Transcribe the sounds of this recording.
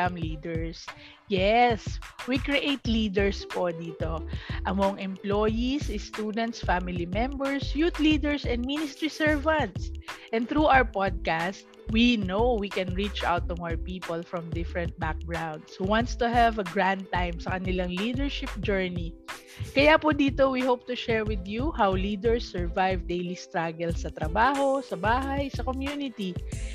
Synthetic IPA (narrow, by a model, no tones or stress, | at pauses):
amlid̪ɛɹs | jɛswikɹiʔejt̪lid̪ɛɹspod̪iːt̪oʔɐmɔŋʔɛ̃mplojisɪst̪ud̪ɛ̃nt̪sfamɪlimɛ̃mbɛɹsjut̪lid̪ɛɹsɛ̃nd̪̚minɪst̪ɹisɛɹvãnt̪sʔɛ̃nd̪θɾuʔawəɹpad̪̚kast̪̚ | winowwikɛ̃nɹit͡ʃʔa̰wt̪ɔmaəɹpiːpɔlfɹɔ̃md̪ɪfɹɛ̃nt̪̚bak̚ɡɹãwnd̪shuwãnt̪st̪uɦɛvɐɡɹãnd̪̚t̪ãjmsɐkɐnɪlaŋlid̪ɛɹʃɪp̚d͡ʒɛɹni | kɐjapʊd̪iːt̪owihowp̚t̪ʊʃɛɹwɪd̪juhawlid̪ɛɹsːɛɹvajvd̪ejlist̪ɾaɡɛlsɐt̪ɾɐbaːɦosɐbaːɦajsɐkomjunɪt̪i